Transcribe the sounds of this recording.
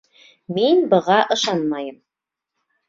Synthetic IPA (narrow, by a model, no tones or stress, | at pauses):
minbɤ̆ʁɑʔɤ̆ʃɑnmɑjɤm